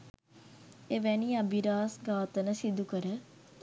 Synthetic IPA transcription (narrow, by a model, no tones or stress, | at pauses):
eʋæniabiɾaːsɡaːt̪ənəsid̪ukəɾə